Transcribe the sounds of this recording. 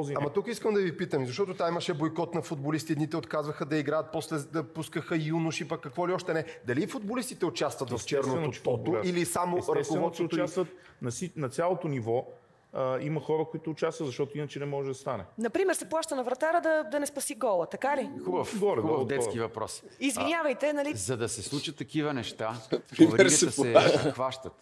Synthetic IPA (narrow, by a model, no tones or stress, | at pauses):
ziamɐt̪ukiskəmd̪ɐvipit̪əmizɐʃt̪ɔt̪ʊt̪amimɐʃɛbojkɔt̪nɐfʊd̪̚bolist̪iɛd̪nit̪ɛot̪kazvɐxəd̪ɐiɡɾajɐt̪̚pɔslɛd̪ɐpuskəxəjunuʃipəkːɐkvɔliɔʃt̪ɛnɛd̪ɐlifʊd̪̚bolist̪it̪ɛʊt͡ʃast̪vɐt̪vɐft͡ʃɛɾnonot̪ɔt̪oʔilisamoɾɐtkovɔt̪sʊt̪t͡ʃast̪vət̪ | nɐsinɐt̪sʲjalˠot̪onivɔ | imɐxɔɾəkoit̪ʊːt͡ʃast̪vət̪zɐʃt̪ɔt̪ʊinət͡ʃɛnɛmɔʒɛd̪ɐst̪anɛ̰nɐpɾimɛɾsɛplˠaʃt̪ənɐvɾɐt̪aɾəd̪ɐd̪ɐnɛspɐsiɡɔlˠət̪ɐkalixubəfɡɔɾɛdxubəvd̪ɛt̪skivɐpɾɔ̰si̥izvinʲɲʲavɐjt̪ɛnɐlizɐd̪ɐsɛslˠut͡ʃət̪ːɐkivənɛʃt̪avɾɾissɛxvaʃt̪ət̪